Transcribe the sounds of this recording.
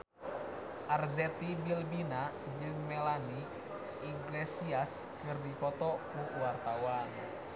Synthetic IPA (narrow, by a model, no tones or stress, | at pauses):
ʔarzɛt̪ibilbina | d͡ʒɨŋmɛlani | iɡlɛsiaskɨrdipɔt̪ɔkuwart̪awan